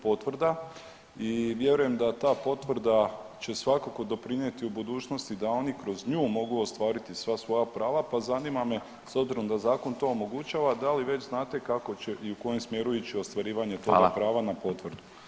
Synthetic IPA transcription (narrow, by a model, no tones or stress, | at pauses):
po̞t̪ʋr̩d̪a | iʋje̞ɾuje̞md̪at̪aːpo̞t̪ʋr̩d̪at͡ɕe̞sʋakako̞d̪o̞pɾinje̞t̪iubud̪uːt͡ʃno̞st̪id̪ao̞nikɾo̞zɲuːmo̞ɡuost̪ʋaːɾit̪isʋasʋo̞japɾaːʋapazanimame̞ | so̞bziɾo̞md̪azaːko̞nt̪o̞omo̞ɡut͡ɕaːʋad̪aliʋe̞t͡ʃznaːt̪e̞kako̞t͡ɕe̞ʔiuko̞jemsmje̞ɾuit͡ɕio̞st̪ʋaɾiːʋaɲe̞t̪oɡapɾaːʋanapo̞t̪ʋr̩d̪u